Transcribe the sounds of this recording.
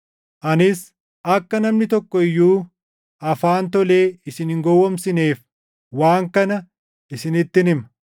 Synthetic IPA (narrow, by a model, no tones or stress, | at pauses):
ʔɐnɪs | ʔɐkːɐnɐmnɪt̪ɔkːɔɪjːuː | ʔɐfaːnt̪ɔle̞ːɪsɪnhɪŋɡɔwːɔmsɪne̞ːf | waːŋkɐnɐ | ɪsɪnɪt̪ːɪnɪm